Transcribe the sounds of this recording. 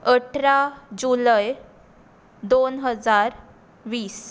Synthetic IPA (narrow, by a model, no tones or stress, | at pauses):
əʈʰɾad͡ʑuləj | d̪onɦəd͡zaɾ | ʋiːs